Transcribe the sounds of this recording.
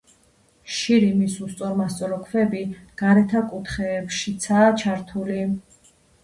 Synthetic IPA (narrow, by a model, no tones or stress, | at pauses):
ʃiɾimisust̪sʼɔɾmast̪sʼɔɾɔkʰvɛbiɡ̥aɾɛt̪ʰakʼut̪ʰχɛːpʃit̪sʰaːt͡ʃʰaɾt̪ʰuli